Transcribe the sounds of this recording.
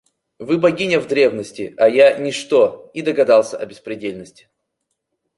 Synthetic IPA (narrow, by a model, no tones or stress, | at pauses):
vɨbɐɡʲinʲəvd̪ɾʲe̞vnəsʲtʲɪɐjanʲɪʂt̪oid̪əɡɐd̪ɑlˠsʲəʔɐ̰bʲɪspɾʲɪdʲelʲnəsʲtʲɪ̥